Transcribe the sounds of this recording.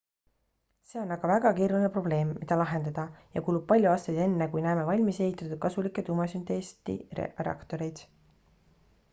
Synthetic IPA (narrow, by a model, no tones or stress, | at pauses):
se̞ːo̞nɑɡ̥ɑvæɡ̥ɑkiːɾuline̞pro̞b̥le̞ːmːid̪̥ɑlɑɦe̞nd̪̥ɑd̪̥ɑjɑkuːlub̥̚pɑlʲjuɑːst̪ejd̪e̞nːekujnæːme̞vɑlʲmise̞hit̪ːˑɑt̪ːˑud̪̥̚kɑsulikːˑe̞t̪umɑsynd̪est̪ḭreɑ̰kt̪o̞ɾejd̪̥